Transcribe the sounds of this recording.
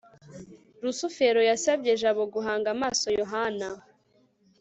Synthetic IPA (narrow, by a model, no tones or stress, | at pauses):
ɾusufe̞ɾojasab̚ɟe̞ʒaβo̞ɡuɦaːŋɡamaːso̞joɦana